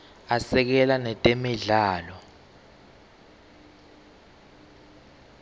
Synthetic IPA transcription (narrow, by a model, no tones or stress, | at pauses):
asɛk̬ɛlanɛtʼemiɮaːlɔ